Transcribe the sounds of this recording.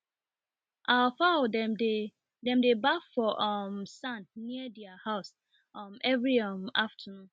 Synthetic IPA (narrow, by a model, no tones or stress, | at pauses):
ʔafadɛe | dɛ̃mdebafɔʔɔmsãnːiədiahaʊs | ʌmɛvɹiʌmaftʰənũ